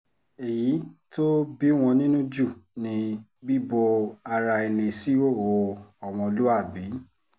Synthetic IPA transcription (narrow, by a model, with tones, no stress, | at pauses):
e˨ji˨˦to˦bi˦w̃ɔ̃˧nĩ˦nũ˦d͡ʒu˦˨nĩ˧bi˦bo˧a˧ɾa˧e˧nẽ˧si˦o˦˨wo˨˧ɔ˨w̃ɔ̃˧lu˦a˦˨bi˨˦